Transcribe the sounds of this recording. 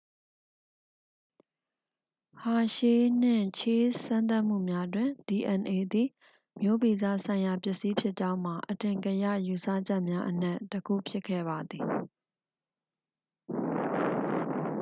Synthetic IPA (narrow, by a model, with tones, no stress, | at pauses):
ha˨ʃe˦n̥ɪ̰̃˦˨t͡ɕʰe˦sã˦nt̪a˦ʔm̥ṵ˦˨mja˦dwɪ̃˨di˨ʔɛ̃˨nʔe˨d̪ḭ˦˨ | mjo˦˨bi˨zä̰˦˨sʰã˨ɪ̃ja˨pjɪ˦ʔsi˦pʰjɪ˦ʔt͡ɕã˦ʊ̃m̥a˨ʔətɪ̃˨ŋkə˨ja̰˦˨ju˨sa̰˦˨d͡ʑɛ˦ʔmja˦ʔən̥ɛ˦˨ʔtːəkʰṵ˦˨pʰjɪ˦kʰːɛ̰˦˨ba˨d̪ði˨